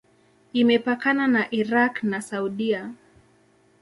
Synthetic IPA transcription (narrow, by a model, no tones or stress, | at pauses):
imɛpakananaʔiɾaknasauɗia